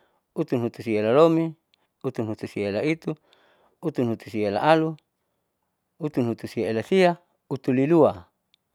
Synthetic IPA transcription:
ut̪unɦut̪usiaelalomi | ut̪unɦut̪usiaelait̪u | ut̪unɦut̪u̥siaela̰ʔalu | ut̪unɦut̪usiaelasia | ut̪ulilua

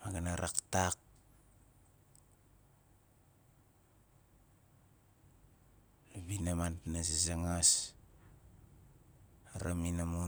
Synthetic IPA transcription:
maɡanaɾʔa̰ktak̚ | naβinamantnasisaŋas | aɾaminamo

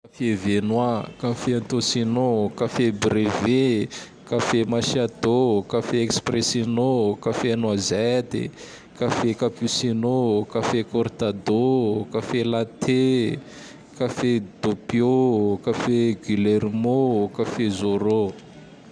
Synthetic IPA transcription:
kafevenwakafeant̪osinokafebɾeve | kafemaʃiad̪okafeekspresinokafenwazet̪ḭ | kafekapusinokafekoɾt̪ad̪okafelat̪ʰe | kafed̪opjokafeɡileɾmokafezoɾo

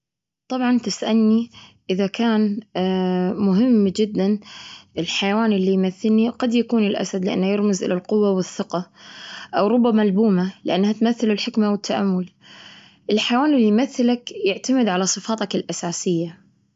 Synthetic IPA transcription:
t̪ˤɑbʕɑnt̪ɪsʔalniʔɪðakʰaːn | mʊɦɪmːd͡ʒɪd̪ːanʔɪlħajawaːnʔɪlːijmaθːɪlniqad̪jakuːnɪlʔa̰sad̪lɪʔa̰nːajɪɾmɪzʔɪ̰lalqʊwːawɪθːɪqɑʔawɾˤʊbːamalbuːmalɪʔanːhat̪maθːɪlulħɪkmawɪt̪ʰːaʔa̰mːʊl | ʔɪlħajawaːnɪlːijmaθːɪlakjɪʕt̪amɪd̪ʕalasˤɨfɑːt̪ˤɑkɪlʔasaːsɪjːa

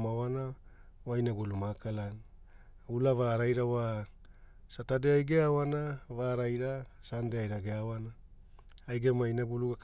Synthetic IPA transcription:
mawana | wajnaɡulumakalan | ulavaɾajɾawa | satadeajɡeawanavaɾajɾasandeajɾaɡeawanaː | jɡemajnaɡuluɡak

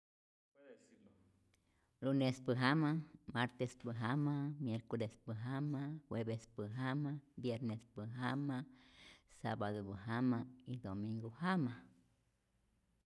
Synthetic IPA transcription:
ɾunespɨɦamamaɾt̪espɨɦamamjeɾkolespɨɦamahweβespɨɦamabjeɾnespɨɦama | sabaðobɨɦamaid̪omĩŋɡohama

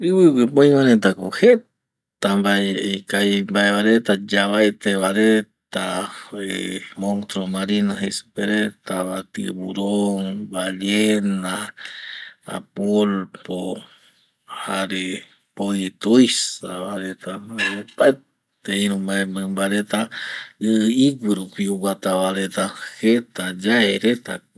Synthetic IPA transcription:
ɨwɨwɨpoj̃maɾet̪akohe | t̪ambaeekajmbaeβaɾet̪ad͡ʒaβaet̪eβaɾet̪aemont̪ɾomaɾinaɦesu̥peɾet̪aβat̪ḭβuɾoŋbaʎena | a̰polpo | haɾe | pojt̪ujsaβaɾet̪aopae | t̪eĩɾũmaẽmɨ̃mbaɾet̪aɨɨikɨɾupiuwat̪aβaɾet̪ahet̪ad͡ʒaeɾet̪a̰

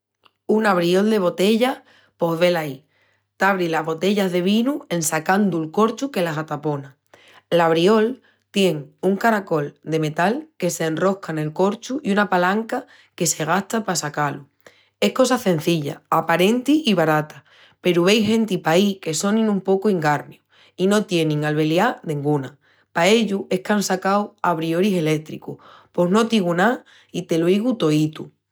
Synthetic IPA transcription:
unaβɾio̞ld̪e̞β̞o̞t̪e̞ʎa | po̞ɦβe̞lai | t̪aβɾilaɦβo̞t̪e̞ʎazðe̞β̞inue̞nsakand̪ulko̞ɾt͡ʃuke̞lasat̪apo̞na | laβɾio̞l | t̪je̞ŋuŋkaɾako̞ld̪e̞me̞t̪alke̞se̞ːnro̞hkane̞lko̞ɾt͡ʃuʔiunapalaŋka | ke̞se̞ɣ̞aht̪apasakalu | e̞hko̞saθẽ̞n̟θiʎa̰apaɾe̞nt̪iiβaɾat̪a | pe̞ɾuβejɦe̞nt̪ipaike̞so̞nĩnũmpo̞kuiŋɡaɾmju | ino̞t̪je̞nĩŋalβe̞ljanẽŋɡuna | pae̞ʎuʔe̞hkansakawaβɾio̞ɾise̞le̞k̚t̪ɾḭkṵpo̞ɦno̞t̪iɣuna | it̪e̞loiɣut̪o̞it̪u

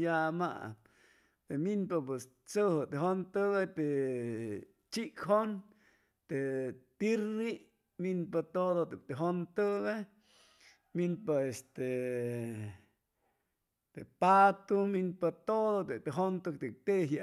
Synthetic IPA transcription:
jama̰ | t̪eminpap̬es | t͡səɦət̪eɦont̪əɣat̪e | t͡ʃikɦon | t̪et̪iɾi | minpat̪oðot̪et̪eɦont̪əɣe | minpaest̪e | t̪epat̪uminpat̪oðot̪et̪eɦont̪ɨk̚t̪ek̚t̪eɦa

